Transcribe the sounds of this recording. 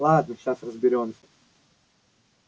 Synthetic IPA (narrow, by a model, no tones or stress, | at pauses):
lˠad̪nəɕasrəzbʲɪɾʲo̞msʲə